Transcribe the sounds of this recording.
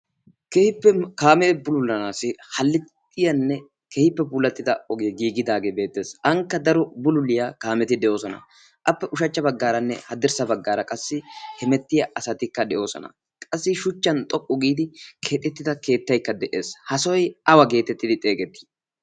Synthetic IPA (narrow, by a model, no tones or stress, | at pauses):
kehɪpːɛkaːmɛbʊlʊlːɐnaːsɪhɐlːɪt̪ːɪjɐnːɛ | kehɪpːɛbulɐt̪ːɪd̪ɐɔɡeːɡiːɡɪd̪aːɡeːbe̞ːt̪ːe̞ːsɐŋkːɐd̪ɐɾɔbʊlʊlːɪjakaːmɛt̪ɪd̪ɛʔo̞ːsɔnɐ̰ | ʔɐpːɛʔʊʃɐt͡ʃːɐbɐɡːaːɾɐnːɛ̰hɐd̪ɪɾsɐbɐɡːaːɾɐkʼɐsːɪhɛmɛt̪ːɪjɐʔɐsɐt̪ɪkːɐd̪ɛʔo̞ːsɔ̰nɐ̰ | kʼɐsːɪʃʊt͡ʃːɐnt̪ʼɔpʼːɔɡiːd̪ɪkʰe̞ːt̪ʼːɛt̪ːɪd̪ɐke̞ːt̪ːɐjkːɐd̪ɛʔe̞ːshɐsɔjʔɐwɐɡe̞ːt̪ɛt̪ːɪd̪ɪt̪ʼe̞ːɡɛt̪ːi̥